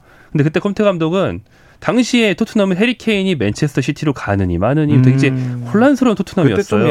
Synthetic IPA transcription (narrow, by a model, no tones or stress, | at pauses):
kɯndekɯt͈ekʰʌmtʰe̞ɡamdoɡɯn | taŋɕʰie̞tʰotʰunamɯnɦe̞ɾikʰe̞iɲime̞nt͡ɕʰe̞sʰɯ̥tʰʌɕʰitʰiɾokanɯɲḭmanɯɲiteɡd͡ʑehoɭːansʰɯɾontʰotʰunamiʌs͈ʌjo